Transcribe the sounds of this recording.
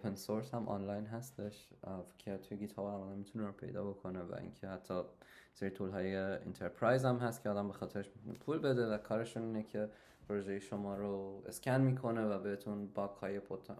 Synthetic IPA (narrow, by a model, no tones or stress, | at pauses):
opʰensoɾshæmʔɒ̰ːnlɑjnɦæst̪e̞ʃcʲʰet̪ʰujeɡiːt̪ʰɒːbæmɒːd̪æmit̪ʰuneɾopʰe̞̰jd̪ɒ̰ːbo̞kʰo̞nevæ̰ʔḭncʰehæt̪ʰːɒːseɾit̪ʰulɦɒːjeḭnt̪ʰeɾpʰɾɒjzæmɦæst̪cʰeɒːd̪æmbe̞xɒːt̪ʰe̞ɾeʃmit̪unepʰuːlbe̞d̪e̞vækʰɒːɾe̞ʃuniːnecʲʰe̞ | pʰɾoʒejeʃomɒːɾoescʲænmiːkʰo̞nevæbeɾet̪ʰunbɒːkhɒ̰ːjepʰot̪ʰ